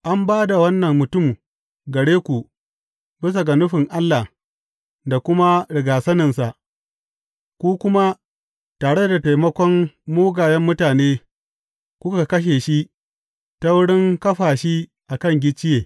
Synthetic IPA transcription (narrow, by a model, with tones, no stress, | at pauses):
ʔa˦mbaː˦da˨wɐ˦nːɐ˨mːʊ˨tʊ˦˨m | ɡɐ˨ɽeː˦kʷu˨ | bɪ˦s̬a˨ɡa˨nʊ˦ɸɪ˨ŋʔa˦lːa˨ | da˨kʷʊ˦ma˦ɽɪ˨ɡaː˨sɐ˦nɪ˨nsa˨ʔ | kʷuː˦kʷʊ˦ma˦ | taː˨ɽe˦da˨ta˨jmɐ˦kʷɔ˦mːoː˦ɡaː˨jɛ˦mːʊ˦taː˨neː˦ | kʷʊ˦ka˨kɐ˦ʃ̬eː˨ʃi˦ʔ | ta˦wʊ˦ɽɪ˦ŋkɐ˦ɸaː˨ʃi˦ʔa˨kɐ˦˨ŋɡʲɪ˦t͡ʃːɪ˦jeː˨